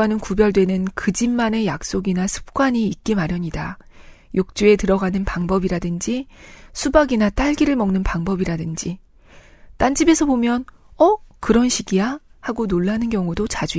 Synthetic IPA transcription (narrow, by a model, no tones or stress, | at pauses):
anɯnkubjʌɭdwe̞nɯnkɯd͡ʑimːane̞jak̚s͈oɡinasʰɯ̥p̚k͈waɲiːk̚k͈imaɾjʌɲidajok̚t͡ɕ͈ue̞tɯɾʌɡanɯnpaŋbʌbiɾadɯnd͡ʑisʰubaɡinat͈aɭɡiɾɯɭmʌŋnɯnpaŋbʌbiɾadɯnd͡ʑi | t͈and͡ʑibe̞sʰʌbomjʌnʌkɯɾʌnɕʰiɡija | haɡonoɭːanɯnkjʌŋudot͡ɕad͡ʑu